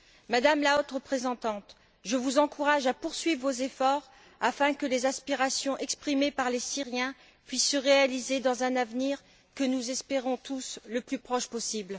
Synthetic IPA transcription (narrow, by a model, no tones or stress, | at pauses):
mad̪amlaot̪ʁəpχezɑ̃t̪ɑ̃t̪ | ʒəvuzɑ̃kuʁaʒapuʁsɥivːozefɔʁ | afɛ̃kəlezaspiʁasjɔ̃ʔɛkspχimepaʁlesiʁjɛ̃ | pɥisːəʁealized̪ɑ̃zɛ̃navniʁ | kənuzɛspeʁɔ̃t̪usləplypχɔʃpɔsibl